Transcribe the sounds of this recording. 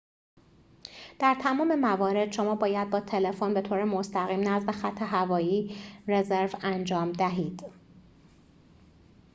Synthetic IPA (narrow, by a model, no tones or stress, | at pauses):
d̪̥æɾt̪ʰæmɒːme̞mævɒːɾe̞d̪̥ʃo̞mɒːbɒːjæd̪̚bɒːt̪ʰe̞le̞fonbe̞t̪ʰoːɾemost̪æɣiːmnæzmexæt̪ʰːe̞ɦævɒːjiːre̞ze̞ɾvænd͡ʒɒːmd̪æɦiːd̪̥